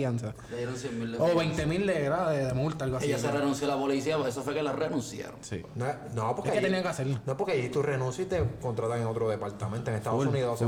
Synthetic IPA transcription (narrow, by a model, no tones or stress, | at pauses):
jansa | laeɾonsjemild̪eoβejnt̪emild̪eɣɾaðeðemult̪aalɡoaeijaserenũnsjolapolisiaesofwekelarenũnsja̰ɾoŋsḭnoe | nopoɾeaket̪enijaŋkeaseɾlannoepoɾkeajit̪urenũnsjit̪ekont̪ɾat̪aŋeŋot̪ɾoðepaɾt̪amẽnt̪oeŋet̪aðosuniðos